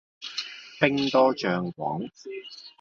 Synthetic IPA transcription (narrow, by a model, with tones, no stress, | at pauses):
pɪ˥ŋt̪ɔː˥t͡ʃœː˨ŋkʷɔ̰ː˨˥ŋ